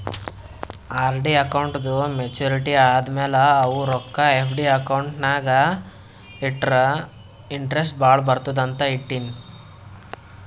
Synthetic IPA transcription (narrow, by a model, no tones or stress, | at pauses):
aːɾɖiɐkɐwɳʈd̪umet͡ʃuːɾiʈiaːd̪ɐmɛːlɐːʋuɾɔkːɐepʰɖiɐkɐwɳʈnaːɡɐ | iʈːɾɐ | iɳʈɾes̬ʈ̚baːɭbɐɾt̪ud̪ɐnt̪ɐiʈːini